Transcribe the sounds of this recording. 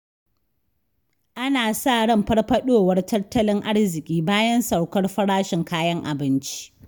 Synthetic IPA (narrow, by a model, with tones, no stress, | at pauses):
ʔa˦naː˨sa˦˨ɽɐ˦˨mɸɐ˦rɸɐ˦ɗoː˦wɐ˦rtɐ˦rtːɐ˦lɪ˦ŋʔa˦rzɪ˨kʲʼiː˦baː˦jɐ˦nsa˨wkɐ˦rɸɐ˦ɽaː˦ʃɪ˨ŋkaː˦jɐ˦ŋʔa̰˨bɪ˦nt͡ʃi̥˦ʔ